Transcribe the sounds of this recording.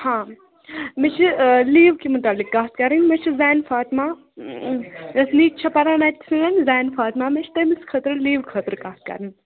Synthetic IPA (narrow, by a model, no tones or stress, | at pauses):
hãː | mit͡ʃʰiliːʋkimɐʈaːlikːaːskɐɾinʲmet͡ʃʰizaːnfaːt̪maː | ɐsniːt̪t͡ʃʰɐpɐɾaːnat̪̚ʲʰːi̥sɨŋɐnʲzaːnfaːt̪mamet͡ʃʰi̥t̪ɐmiskʰət̪ɾɨliːʋkʰət̪ɾkaːskɐ̰ɾinʲ